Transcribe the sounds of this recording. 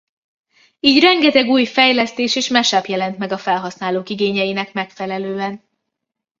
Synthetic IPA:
iːɟrɛŋɡɛt̪ɛɡuːjfɛjlɛst̪eːʃeːʃmɛʃaːpjɛlɛnt̪mɛɡɒfɛlɦɒsnaːloːkiɡeːɲɛjinɛkmɛkfɛlɛløːɛn

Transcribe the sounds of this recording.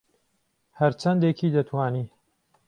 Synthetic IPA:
hɐɾt͡ʃʰɐnd̪ekʰiːd̪ɐt̪ʰwaːniː

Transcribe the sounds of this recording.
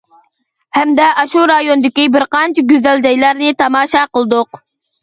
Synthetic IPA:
hɛmd̪ɛʔɑʃuɾɑjond̪ɪkʲibɪɾqɑnt͡ʃʰiɡʲøzæld͡ʒɑjlˠɑɾnɨt̪ʰɑmɑːʃɑqəlˠɨd̪ʊq

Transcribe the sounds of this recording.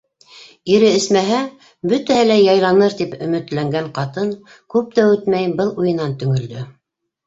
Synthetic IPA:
iɾɘɘ̆smæɦæ | bɵt̪æhɘlæjɑjlˠɑnɤɾt̪ipɵ̆mɘ̆t̪læŋɡæɴqɑt̪ɤn | kʉp̚t̪æwɘt̪mæjbɤlˠujɤ̆nɑnt̪ɵ̆ŋɵ̆ld̪ɵ

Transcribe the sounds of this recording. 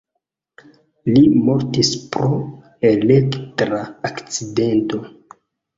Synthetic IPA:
limo̞ɾtispɾo | e̞le̞ktɾaakt͡side̞nto̞

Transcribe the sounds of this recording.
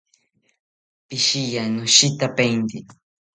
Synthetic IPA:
pɪʃijanʊʃɪt̪apejnd̪i

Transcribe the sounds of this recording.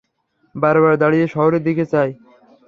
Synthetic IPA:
baɾbaɾd̪aɽieʃɔɦoɾed̪iket͡ɕaj

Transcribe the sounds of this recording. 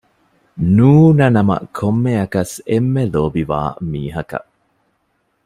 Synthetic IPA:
nuːnɐnɐmɐ̰kʰomːeɐkɐsemːeloːbiʋa̰ːmiːɦɐkɐ̰ʔ

